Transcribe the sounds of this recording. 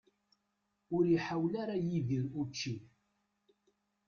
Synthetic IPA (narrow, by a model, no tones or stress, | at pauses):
ʊɾiħawlaɾajiðiɾut͡ʃːi